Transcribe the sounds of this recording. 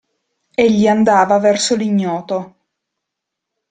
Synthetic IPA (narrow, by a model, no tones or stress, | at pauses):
eʎːiand̪aːvavɛrsoliɲːɔːt̪o